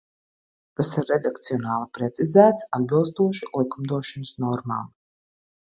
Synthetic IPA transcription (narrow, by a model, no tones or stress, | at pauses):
kasiɾːed̪akt̪siɔnaːlˠipɾɛt̪sizæːt̪sad̪̚bilˠst̪uɔʃilˠikumd̪uɔʃɔnəsnɔɾma̰ːm